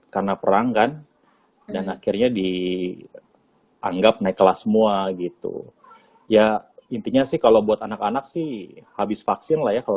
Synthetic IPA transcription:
karnapəɾaŋkan | danakɪrɲadi | a̰ŋɡap̚naɪkːəlasəmuaɡit̪ṵ | jaint̪iɲasɪhkalowbuat̪anakanak̚sɪhhabɪsfaksɪnlahjakal

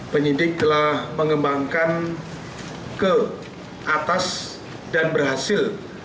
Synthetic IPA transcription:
pəɲidɪk̚t̪əlahməŋəmbaŋkan | kə | ʔat̪as | danbərhasɪl

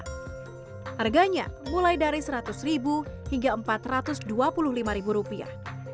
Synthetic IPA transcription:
harɡaɲa̰mulajdaɾisəɾat̪ʊsribuhiŋɡaəmpat̪rat̪ʊsduapulʊhlimaɾibuɾupia̰h

